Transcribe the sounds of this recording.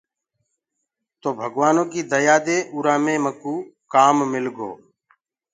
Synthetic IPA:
t̪oːbʱəɡʋaːnõːkiːd̪əjaːd̪eːʔuːɾaːmẽːməkuːkaːmmɪlɡo̰ː

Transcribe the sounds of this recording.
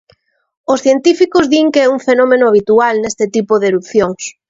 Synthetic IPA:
ʊsθjent̪ifikʊzðiŋkɛuɱfenɔmenʊaβ̞it̪ualnest̪ɪt̪ipoðeɾup̚θjoŋs

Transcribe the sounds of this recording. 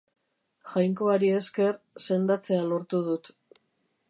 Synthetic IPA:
xajŋko̞aɾie̞ske̞r | se̞nd̪at͡se̞alo̞ɾt̪uðut̪

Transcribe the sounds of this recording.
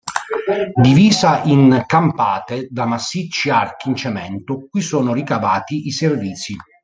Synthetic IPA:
d̪iviːzaʔiŋkampaːt̪ed̪amasːit͡ʃːiark̟int͡ʃɛmɛnt̪okːuisoːnorikavaːt̪iʔiservit̪si

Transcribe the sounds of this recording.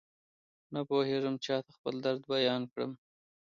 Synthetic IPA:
napoheʐəmt͡ʃɑt̪axpəld̪aɾd̪bajɑnkɽə̰m

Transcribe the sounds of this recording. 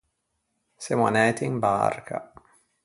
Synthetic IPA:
sema̰nɛːt̪ʰinba̰rkʰa̰

